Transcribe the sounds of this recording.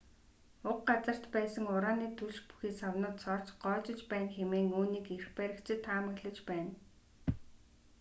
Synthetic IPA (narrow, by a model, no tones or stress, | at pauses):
ʊqɢat͡sə̆r̥t̪pæːsə̆ŋʊɾaːniːt̪ʰuɮt͡ɕpu̥xiːsawnʊːt̪sɔr̥t͡ɕɢɔːt͡ɕɪ̆t͡ɕpæːnxemeːŋuːniːkerxpæɾʲɪ̆kt͡ɕʰɪ̆t̪ʰːaːmə̆ɣɮə̆t͡ɕpæːn